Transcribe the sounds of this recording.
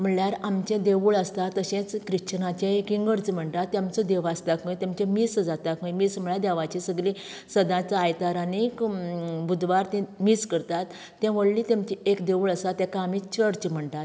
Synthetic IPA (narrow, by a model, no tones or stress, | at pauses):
m̤əɳɭjaɾamt͡ɕẽd̪eʋuɭəst̪at̪ːəɕẽt͡skɾit͡ɕnãt͡ɕẽekĩŋɡəɾt͡sm̤əɳt̪at̪ːamt͡sɔd̪eʋast̪akə̃jt̪ãmt͡ɕẽmisd͡zat̪akəjmism̤əɭjad̪ɛʋat͡ɕisəɡlĩ | səd̪ãt͡sajt̪aɾanikbud̪ʋaɾt̪ĩmiskəɾt̪at̪ː | ɛ̃ʋəɽlit̪jamt͡ɕiekd̪eʋuɭəsat̪ːjɛ̃kãːmit͡ɕəɾt͡ɕm̤əɳt̪at̪